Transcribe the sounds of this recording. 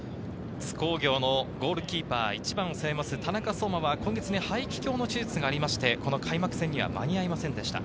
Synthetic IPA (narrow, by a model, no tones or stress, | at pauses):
t͡sɨ̥ko̞ːɡʲo̞ːno̞ɡo̞ːɾɯ̟kʲiːpa̰ːit͡ɕibãɰ̃osememasɨt̪anakaso̞ːmaβakõ̞ŋɡe̞t͡sɨnehaikʲi̥kʲo̞ːno̞t͡ɕit͡sɨɡaːɾʲimaɕi̥t̪e̞ko̞no̞kʰaimakɯ̟sẽ̞ɲ̟ːiβa̰ma̰ɲ̟iaimasẽ̞nd̪e̞ɕi̥t̪a̰